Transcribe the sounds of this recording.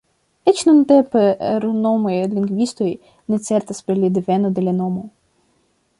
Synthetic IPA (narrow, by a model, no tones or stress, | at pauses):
ɛt͡ʃnɔnt̪ɛpeɾnɔmɔjd̪lʲinɡʋʲist̪ɔji | nesʲɛrt̪ɐspelʲid̪ɪʋɛnɔd̪elʲɐnɔmɔ